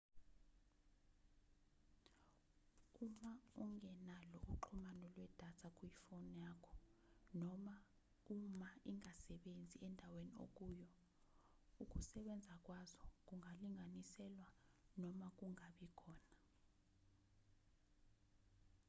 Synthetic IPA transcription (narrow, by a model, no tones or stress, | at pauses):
umauŋɛnalɔʔuǃʰumanɔlwɛd̥ʱatʰak̬ʼuifonjaːkʰɔ̥nɔma | umaiŋasɛɓend͡zʱiɛndʱawenio̰k̬ʼuːjɔ | uk̬ʼusɛɓɛnd͡zʱak̬ʼwazɔk̬ʼuŋʱaliŋʱanisɛlwanɔmak̬ʼuŋaɓikʰɔːna